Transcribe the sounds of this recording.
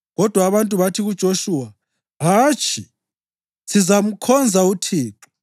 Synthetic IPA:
ɣɔd̥ʱwaːβantʼuβatʰiɣud̥ʒ̥ʱoʃuːwa | ɦaːt͡ʃʼʰi | sizam̩kʰɔnd͡zʱautʰiːǁu̥

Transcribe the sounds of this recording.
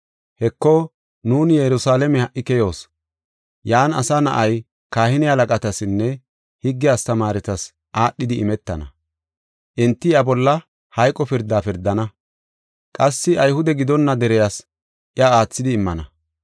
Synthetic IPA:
hɛkːo | nuːnjɛɾʊsaːlɛmɛhɐʔːɪkɛjo̞ːs | jaːnɐ̰sanɐ̰ʔɐj | kaːhɪnɪhɐlɐkʼɐt̪ɐsɪnːɛ | hɪɡːɪjaːst̪ɐmaːɾɛt̪ɐs | ʔaːɗːɪd̪ɪʔɪ̰mɛt̪ːɐ̰nɐ̰ | ʔɪnt̪ːɪɐbɔlːɐ | hɐjkʼɔpɪɾd̪ːaːpɪɾd̪ːɐnɐ | kʼɐsːɪʔɐjhʊd̪ɛɡɪd̪ɔnːɐd̪ɛɾɛjaːs | ʔɪɐaːt͡sːɪd̪ɪːmːɐnɐ

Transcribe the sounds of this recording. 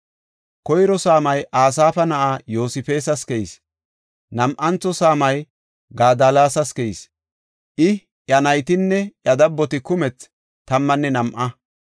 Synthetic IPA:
kɔjɾɔsaːmɐjʔaːs̬aːfɐnɐʔaːjo̞ːsɪfe̞ːsɐskɛjis | nɐmʔɐnt͡sːɔsaːmɐj | ɡaːd̪alaːsɐskɛjis | ʔɪ | ʔjɐnɐjt̪ɪnːɛjɐd̪ɐbːɔt̪ɪkʊmɛt͡s | t̪ːɐmːɐnːɛnɐmʔɐ

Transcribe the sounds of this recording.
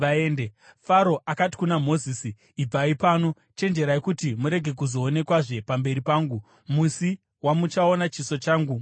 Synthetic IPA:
ʋaeːndefaɾo̞ʔakati̥kunamo̞ziːsiː | b͡vaipaːno̞ | t͡ʃe̞nd͡ʒe̞ɾaikutimuɾe̞ɡʱe̞k̬uzo̞ːne̞kwaʐe̞pambe̞ɾipaːŋɡu | musi | wamut͡ʃaonat͡ʃiso̞t͡ʃaːŋɡu

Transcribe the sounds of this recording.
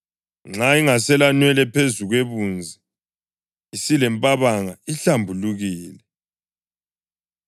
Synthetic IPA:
ŋ͡ǁaiŋasɛlanwɛlɛpʰezuɣweβund͡zʱi | isilɛmpʼaβaŋaiɬambʱuluɣiːlɛ

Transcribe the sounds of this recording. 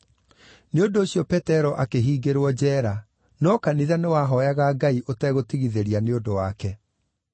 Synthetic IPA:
neondoːɕjɔpɛtɛɾɔʔakeɦiːɡeɾwɔd͡ʑɛːɾa | nɔkaniðanewaːɦɔjaɣaɡaiʔotɛɣotiɣiðeɾianeondowakɛ

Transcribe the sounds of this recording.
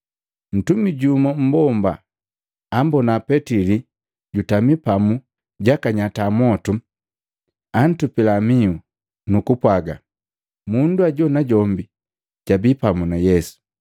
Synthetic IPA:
n̩tumiɟumam̩bɔmba̰ | ambɔnapɛtili | ɟutamipamu | ɟakaɲatamɔtu | an̩tupilamiu | nukupwaɡa̰ | munduaɟɔnaɟɔmbi | ɟ̥abipamunajɛsu̥

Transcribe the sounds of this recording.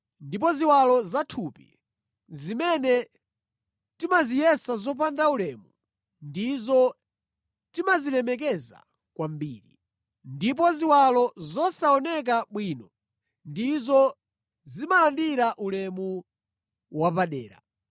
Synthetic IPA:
ndip̬ɔziwalɔzatʰuːpḭ | zimɛnɛ | timazijɛsazɔpandaulɛmu | ndizɔ | timaziɾɛmɛk̬ɛza̰ | kwambiːɾi | ndip̬ɔziwalɔzɔsaɔnɛk̬aɓwiːnɔ | ndizɔ | zimalandiɾaʔulɛmu | wapaɗɛːɾa̰

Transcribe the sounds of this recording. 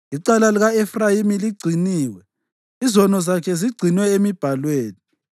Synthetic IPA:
iǀalaliɣaɛfrajimiliɡ͡ǀʱiniːwɛ | izɔnɔzakʰɛziɡ͡ǀʱinwɛemib̥ʱalweːni

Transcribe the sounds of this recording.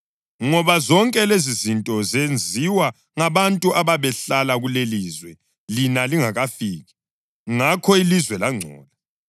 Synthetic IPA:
ŋɔβazɔŋkʼɛlezizintʼɔzend͡zʱiwa | ŋaβantʼuʔaβaβɛɬalaɣuleliːzwɛ | linaliŋaɣafiːɣɛ | ŋakʰɔilizwɛlaŋ͡ǀʱɔ̰ːla

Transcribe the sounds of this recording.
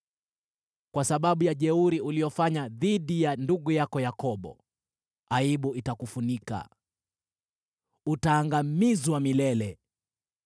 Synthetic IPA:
kwasaɓaɓujaʄɛuɾiuliɔfaɲaðiɗijanduɠujakɔjakɔɓɔ̰ | aiɓuitakufunika̰ | utaːŋɡamizwamilɛlɛ

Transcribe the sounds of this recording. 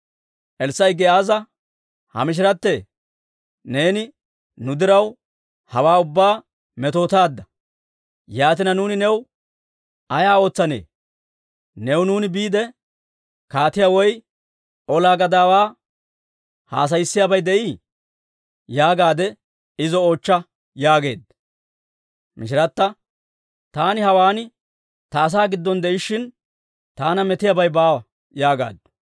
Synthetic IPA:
ʔɛlsːɐjɡɛaːzɐ | hɐ̰mɪʃ̬ɪɾɐt̪ːe̞ː | ne̞ːnɪ | nʊd̪ɪɾɐw | hɐwaːʊbːaː | mɛt̪o̞ːt̪aːd̪ːɐ | jaːt̪ɪnɐnuːnɪnɛw | ɐjaːo̞ːt͡sːɐnḛː | nɛwnuːnɪbiːd̪ɛ | kaːt̪ɪjaːwɔj | ʔɔlaːɡɐd̪aːwaː | ha̰ːs̬ɐjsːɪjabɐjd̪ɛʔi | jaːɡaːd̪ɛ | ɪzɔoːt͡ʃːɐ | jaːɡe̞ːd̪ | mɪʃ̬ɪɾɐt̪ːɐ | t̪aːnɪɦɐwaːnɪ | t̪ɐːs̬aːɡɪd̪ːɔnd̪ɛʔɪʃːɪn | t̪aːnɐmɛt̪ɪjabɐjbaː | jaːɡa̰ːd̪̚

